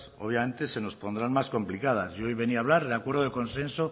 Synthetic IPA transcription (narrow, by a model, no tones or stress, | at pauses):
soβjamẽ̞nt̪ese̞no̞spo̞nd̪ɾanmasko̞mplikað̞a̰sojβe̞niaːβlaɾðeakwe̞ɾðoðekõ̞nsẽ̞nso